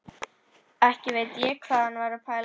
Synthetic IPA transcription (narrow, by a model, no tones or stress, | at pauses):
ɛhcɪveːjt̪jɛkʰv̥aːðanvaɾapʰaːjl